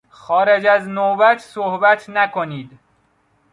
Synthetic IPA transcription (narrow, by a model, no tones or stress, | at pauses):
xɒːɾed͡ʒæznobæt̪ʰsohbæt̪ʰnækʰoniːd̪